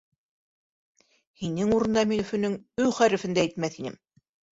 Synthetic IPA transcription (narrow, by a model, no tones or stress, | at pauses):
hinɘŋuɾɤ̆nd̪ɑminɵ̆fɵ̆nɘŋɵwχæɾɘ̆fɘ̆nd̪æit̪mæθinɘ̰m